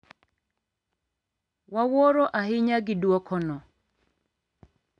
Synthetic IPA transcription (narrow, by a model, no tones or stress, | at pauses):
wawɔɾɔʔahɪɲaɡɪdwɔkʰɔnɔ